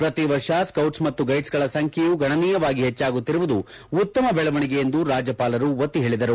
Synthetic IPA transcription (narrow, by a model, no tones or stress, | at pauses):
pɾɐt̪iʋɐɾʂaskɐwʈsmɐt̪ːuɡɐjʈsɡɐɭɐsɐŋkʰejuɡʱɐɳɐniːjɐʋaːɡiɦɛt͡ʃːaːɡut̪ːiɾuʋud̪uː | t̪ːɐmɐbɛɭɐʋɐɳiɡe̞je̞nd̪uɾaːd͡ʒɐpaːlɐɾuʋɐt̪ːiɦe̞ːɭid̪ɐɾu